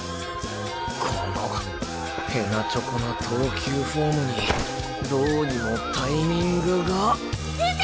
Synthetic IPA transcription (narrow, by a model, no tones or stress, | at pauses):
kʰono | he̞nːat͡ɕo̞konot̪ʰo̞ːkʲɨːɸo̞ːmɯ̟ɲ̟i | d̪oːɲimo̞t̪aimʲĩŋɡɯ̟ɡa